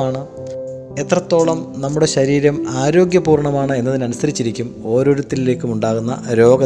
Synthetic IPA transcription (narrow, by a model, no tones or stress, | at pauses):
aːɳɨ | e̞t̪rɐt̪ːo̞ːɭɐmnɐmːuɽe̞ɕɐɾiːɾɐmaːɾo̞ːɡjɐpuːrɳɐmaːɳɨe̞nːɐðinɐnusɐɾit͡ɕːiɾikʲːumo̞ːɾo̞ːɾut̪ːilile̞ːkːumuɳɖaːɣunːɐ̰ɾo̞ːɡɐ